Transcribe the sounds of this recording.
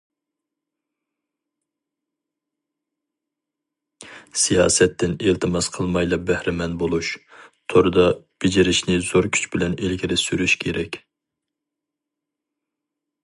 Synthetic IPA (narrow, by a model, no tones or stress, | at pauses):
sijɑ̰ːsɛt̪ʰːɪnelt̪ʰɨmɑsqʰəlˠmɑjlˠɑbɛhɾɪmɛnbolˠuʃt̪ʰoɾɨd̪ɑb̥ɪd͡ʒiɾɪʃnɪz̥oɾkʲʰy̥t͡ʃʰbɪlɛnelkʲʰɪɾɪsyɾyʃkʲʰeɾɛkʲ